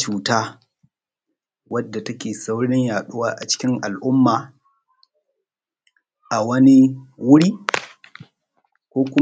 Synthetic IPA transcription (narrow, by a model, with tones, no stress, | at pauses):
t͡ʃuː˨taː˦ | wɐ˦dːa˨tɐ˦kʲeː˨sa˦wɽɪ˦ɲjaː˨ɗʊ˦waː˦ʔa˨t͡ʃɪ̥˦kʲɪ˦ŋʔa˨lʔʊ˦mːaː˨ | ʔa˨wɐ˦ni˦wʊ˦ɽiː˦ | kʷoː˦kʷʊ˦